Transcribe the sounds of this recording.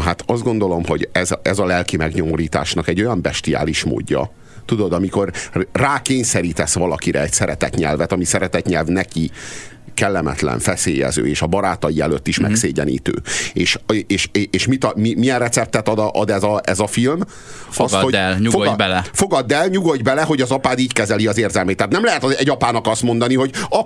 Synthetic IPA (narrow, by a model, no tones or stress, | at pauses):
ɦat̪ɒzd̪ɡo̞n̪d̪o̞lo̞mho̞ɟɛzɛzɒlɛlkimɛɡɲo̞mo̞ɾiːt̪a̰ːʃnɒkɛɟːo̞jɒmbɛʃt̪ija̰ːliʃmo̰ːɟːɒ̰ | t̪ud̪o̞d̪ɒmiko̞rraːkeːɲsɛɾiːt̪ɛsʋɒlɒkiɾɛɛcsɛɾɛt̪ɛt̪ɲɛ̰lvɛt̪ɒmisɛɾɛt̪ɛt̪ɲɛlvnɛki | kɛlːɛmɛ̰t̪lɛ̰ɱfɛseːjɛ̰zø̰ːeːʃɒbɒɾaːt̪ɒjiɛløt̪ːiʃmɛksseːɟɛnḭːt̪ø̰ːeːʃeːʃeeːʃmit̪ɒmimijɛnrɛt̪sɛp̚t̪ːɛt̪ɒd̪ɒʔɒd̪ɛzɒɛzɒfilm | fɒsɡholɲufobɛlfoɡɒd̪ːɛlɲuɡo̞ɟbɛlɛɦo̞ɟɒzɒpaːd̪iːckɛzɛliɒzeːrzɛlmeːt̪ːaːt̪nɛmlɛɦɛt̪ɒɛɟɒpaːnɒkɒst̪mo̞nd̪ɒniɦo̞ɟɒ